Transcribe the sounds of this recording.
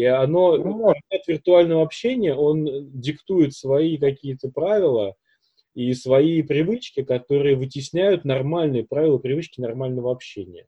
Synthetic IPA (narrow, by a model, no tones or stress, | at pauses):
iɐno̞nʲet̪vʲɪrt̪ʊalʲnəvəɐpɕːenʲɪjəo̞ndʲɪkt̪ujɪt̪svɐikɐkʲijət̪əpɾavʲɪlˠə | isvɐipɾʲɪvɨt͡ɕkʲɪkɐt̪o̞ɾɨjəvɨtʲɪsʲnʲæjʊt̪nɐrmalʲnɨjəpɾavʲɪlˠəpɾʲɪvɨt͡ɕkʲɪnɐrmalʲnəvəɐpɕːenʲɪ̰jə